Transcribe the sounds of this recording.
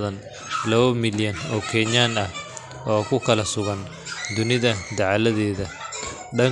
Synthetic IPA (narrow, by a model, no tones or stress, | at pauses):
ðɐn | lɐβɐmɪljɐnɔːkʰɛɲaːnɐh | ɔːkʰʊkʰɐlɐsʊɣɐn | d̪ʊnɪðɐd̪ɐʕlɐðɛːðɐ | ɖɐŋ